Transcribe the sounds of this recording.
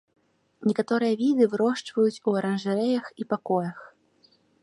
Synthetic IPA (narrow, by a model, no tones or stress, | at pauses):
nʲɛkat̪ɔɾɨjɐvʲid̪ɨvɾɔʂt͡ʂvɐjut͡sʲuɐɾɐnʐɨɾɛjɐxipakɔjɐx